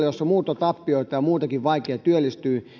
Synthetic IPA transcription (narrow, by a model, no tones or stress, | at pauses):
josːɑmuːt̪ɑt̪ɑpːioit̪ɑjɑmuːt̪ɑkiʋʋɑikeɑt̪yølːist̪yː